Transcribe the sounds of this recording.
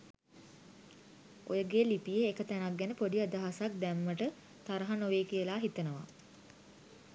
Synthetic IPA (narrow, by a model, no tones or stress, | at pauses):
o̰jəɡeːlipijeːkət̪ænakːænəpoɖiad̪aɦasak̚d̪æmːəʈə | t̪aɾəɦanoʋeːkijəlaːɦit̪ənəʋa̰